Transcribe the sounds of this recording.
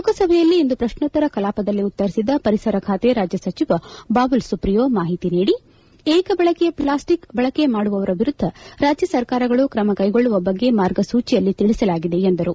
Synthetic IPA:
ukɐsɐbʱɛjɐlːiind̪upɾɐʃɳɐt̪ːɐɾɐkɐlaːpɐd̪ɐlːiut̪ːɐɾisid̪ɐpɐɾisɐɾɐkʰaːt̪eɾaːd͡ʒjɐsɐt͡ʃiʋɐbaːʋulsupɾijoːmaːɦit̪iniːɽi | eːkɐbɐɭɐkejɐplaːsʈikbɐɭɐke̞maːɽuʋɐʋɐɾɐʋiɾud̪ʱːɐɾaːd͡ʒjɐsɐɾkaːɾɐɡɐɭukɾɐmɐkɐjɡo̞ɭːuʋɐbɐɡːe̞maːɾɡɐsuːt͡ʃijɐlːit̪iɭisɐlaːɡid̪e̞ːnd̪ɐɾu

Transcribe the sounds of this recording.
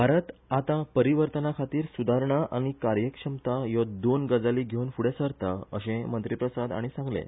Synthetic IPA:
bʱaɾət̪at̪ãpəɾiʋəɾt̪ənakʰat̪iːɾsud̪ʱaɾɳaʔaɽ̃ikaɾjəkʂəmt̪ajɔd̪onɡəd͡zaliːɡʱewnfuɽesəɾt̪aə̰ɕẽmənt̪ɾipɾəsad̪a̰ɽ̃isãŋɡlḛ̃

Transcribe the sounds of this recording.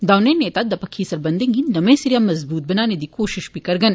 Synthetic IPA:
d̪aːwneːneːt̪aːd̪ɐpɐkʰːiːsɐɾbɐnd̪ɐŋɡinɐmẽːsiɾjaːmɐzbuːt̪̚bɐnaːned̪ikoːʃiʃbikɐɾɡɐn

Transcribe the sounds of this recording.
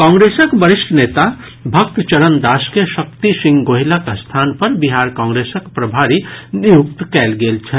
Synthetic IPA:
kãːŋɡɾesəkbəɾisʈʰənet̪a | bʱək̚t̪t͡ʃəɾənd̪askesək̚t̪isĩŋɡɡoɦilakst̪ʰanpəɾbiɦaɾkãːŋɡɾesəkpɾəbʱaɾinijukt̪kɛlɡelt͡ʃʰɛ

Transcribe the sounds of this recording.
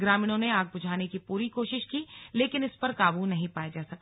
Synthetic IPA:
ɡɾaːmɪːɽ̃õneaːɡ̚bʊd͡ʒʱaːnekipuːɾikoːʃɪʃkileːkɪnɪspɐɾkaːbunɐɦĩpaːjad͡ʒaːsɐk̚t̪ː

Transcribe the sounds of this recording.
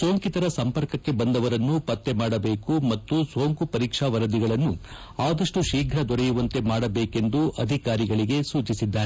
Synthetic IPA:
so̞ːŋkit̪ɐɾɐsɐmpɐɾkɐkːe̞bɐnd̪ɐʋɐɾɐnːupɐt̪ːe̞maːɽɐbe̞ːkumɐt̪ːusoːŋkupɐɾiːkʂaʋɐɾɐd̪iɡɐɭɐnːu | aːd̪ɐʂʈuʃiːɡʱɾɐd̪ɔɾɛjuʋɐnt̪e̞maːɽɐbeːke̞nd̪uʔɐd̪ʱikaːɾiɡɐɭiɡe̞suːt͡ʃisid̪ːaːɾe

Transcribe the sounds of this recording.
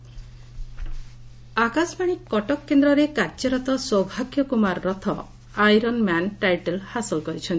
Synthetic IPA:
akasɔpaɽ̃ikɔʈɔkːend̪ɾɔɾekaɾd͡ʒɔɾɔt̪ɔswɔwbʱaɡjɔkumaɾːɔt̪ʰɔ | ajɾɔnmanʈajʈelhasɔlkɔɾit͡ʃʰɔnt̪i

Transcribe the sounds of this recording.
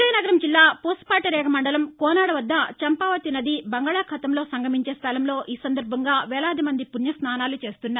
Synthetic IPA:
ɐjɐnɐɡɐɾɐmd͡ʒilːaːpoːspaːʈɐɾɛːɡɐmɐɳɖɐlɐmkɔːnaːɽɐʋɐd̪ːɐt͡ʃɐmpaːʋɐt̪inɐd̪ibɐŋɡaːɭakʰɐt̪ɐmlo̞ːsɐŋɡɐmiɲt͡ʃeːst̪ʰɐlɐmlo̞ːʔiːsɐnd̪ɐɾbʱɐŋɡaːʋɛːɭaːd̪imɐnd̪ipunjɐsnaːnaːlut͡ʃe̞ːst̪unːaːɾ

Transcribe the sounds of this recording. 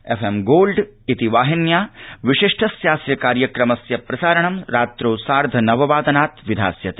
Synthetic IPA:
efʰemɡoːlɖit̪iʋaːɦinjaːʋiʃiʂʈʰɐsjaːsjɐkaːɾjɐkɾɐmɐsjɐpɾɐsaːɾɐɳ̃ɐmɾaːt̪ɾoːsaːɾd̪ʱɐnɐʋɐʋaːd̪ɐnaːt̪ʋid̪ʱa̰ːsjɐt̪i̥

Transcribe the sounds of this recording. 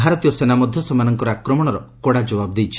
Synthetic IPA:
bʱaɾɔt̪ijɔsenamɔd̪ʱjɔsɔmanɔŋkɔɾakɾɔmɔɽ̃ɔɾɔkɔɽad͡ʒɔbabd̪ejt͡ʃʰi̥

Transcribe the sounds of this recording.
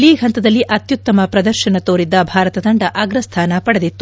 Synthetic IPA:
liːɡʱɐnt̪ɐd̪ɐlːiʔɐt̪jut̪ːɐmɐpɾɐd̪ɐɾʃɐnɐt̪oːɾid̪ːɐbʱaːɾɐt̪ɐd̪ɐɳɖɐʔɐɡɾɐst̪ʰaːnɐpɐɽɐd̪it̪ːu

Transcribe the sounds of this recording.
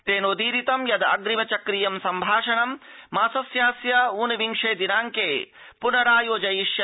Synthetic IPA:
t̪eːnod̪iːɾit̪ɐmjɐd̪ɐ̰ɡɾimɐt͡ʃɐkɾijɐmsɐmbʱaːʂɐɳɐmː | aːsɐsjaːsjɐuːnɐʋiŋʂeːd̪inaːŋkeː | punɐɾaːjoːd͡ʒɐjiʂjɐ

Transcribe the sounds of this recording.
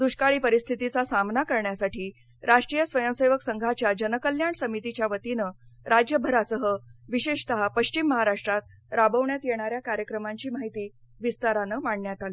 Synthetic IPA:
d̪uɕkaɭiːpəɾist̪ʰit̪it͡sasamnakəɾɳjasaʈʰiː | ɾaʂʈɾiːjəsʋəjəmseʋəksəŋɡʱat͡ɕjad͡ʑənəkəljaɳsəmit̪it͡ɕjaʋət̪inəɾad͡ʑjəbʱəɾasəɦəʋiɕeɕt̪əɦapəɕt͡ɕimːəɦaɾaʂʈɾat̪̚ | ɾabəʋɳjat̪jeɽ̃aɾjakaɾjəkɾəmaɲt͡ɕiːmaɦit̪iː | ʋist̪aɾanəːmaɳɳjat̪aliː

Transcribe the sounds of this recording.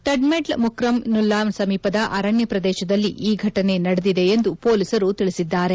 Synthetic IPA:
ʈɐɖmeɖlmukɾɐmnulːaːmsɐmiːpɐd̪ɐʔɐɾɐɳjɐpɾɐd̪ɛːʃɐd̪ɐlːiʔiːɡʱɐʈɐne̞nɐɽed̪id̪e̞ːnd̪upo̞ːlisɐɾut̪iɭisid̪ːaːɾe̞

